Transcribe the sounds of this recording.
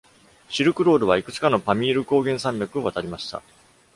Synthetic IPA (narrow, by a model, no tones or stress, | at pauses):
ɕiɾɯ̟kɯ̟ɾo̞ːɾɯ̟βaikɯ̟t͡sɨ̥kano̞pamʲiːɾɯ̟ko̞ːɡẽ̞ɰ̃sãmbʲakɯ̟o̞βat̪aɾʲimaɕi̥t̪a̰